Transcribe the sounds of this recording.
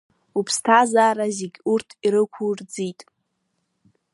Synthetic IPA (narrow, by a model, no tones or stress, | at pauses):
upʰstʰazaːɾazeɡʲurtʰiɾɨkʷʰurd͡zitʼ